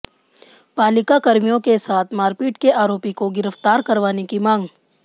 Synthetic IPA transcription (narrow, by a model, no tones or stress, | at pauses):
paːlɪkakɐɾmijõkesaːt̪ʰmaːɾpiːʈkeʔaːɾoːpikoɡɪɾəft̪aːɾkɐɾʋaːnekimãːŋɡ